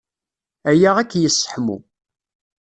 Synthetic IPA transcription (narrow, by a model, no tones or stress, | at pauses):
æjaʁækːjəsːə̥ħmṵ